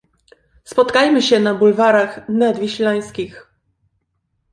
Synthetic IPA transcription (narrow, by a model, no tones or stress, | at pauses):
spɔt̪kajmɘɕɛnabulvaɾaxnad̪vʲiɕlaj̃skʲix